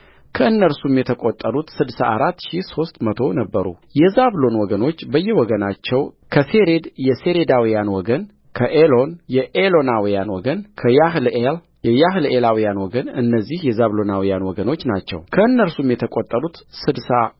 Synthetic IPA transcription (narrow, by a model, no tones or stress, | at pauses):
kʰəɨnːəɾsumjɛt̪ʰəkʼot̪ʼːəɾut̪sɨd̪saʔaɾat̪ːʃiso̞st̪ʼmət̪ʰo̞nəbːəɾṵjɛzaβlo̞nwɔɡəno̞t͡ʃːbəjːɛwɔɡənat͡ʃːɛw | kʰəse̞ɾe̞d̪jɛse̞ɾed̪awijanwɔɡən | kʰəʔelo̞njɛʔelo̞nawijanwɔɡənkʰəjaɦlel | jɛjaɦlelawijanwɔɡənɨnːəzːihjɛzaβlo̞nawijanwɔɡəno̞t͡ʃːnat͡ʃːɛ̰wkʰəɨnːəɾsumjɛt̪ʰəkʼot̪ʼːəɾut̪sɨd̪sa